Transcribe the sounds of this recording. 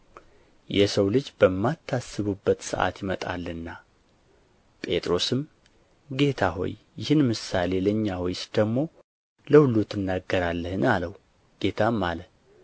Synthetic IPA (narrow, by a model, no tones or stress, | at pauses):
jɛsəwlɨd͡ʒbəmːat̪ʰːasːɨβubːət̪sɨ̰ʔa̰t̪jɪmət̪ʼa̰lːɨnːa | pʼe̞t̪ʼɾo̞sɨm | ɡe̞t̪ʰaɦo̞̰jːɪhɨnmɨsale̞ləɲːawɔjsd̪̥əɡmo̞ | ləhulut̪ʰːɨnːaɡːəɾalːəhɨnaləhu | ɡ̥e̞t̪ʰamːalə